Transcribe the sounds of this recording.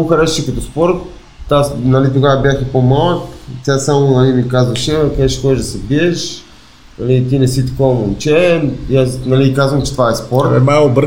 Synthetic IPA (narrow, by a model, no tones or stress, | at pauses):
xɐɾɛʃt͡ʃɛkɐt̪ɔspɔɾt̪ː | asnɐlit̪oɡavəbʲjaxipomalˠəksʲasamonɐlimikazvɐʃɛɛkɛʃxɔɛʒd̪ɐsɛbiɛʃ | nɐlit̪inɛsit̪ɐ̥kovɐmont͡ʃɛjasnɐlikazvəmt͡ʃɛt̪vaɛspɔɾɛ̰maobɾ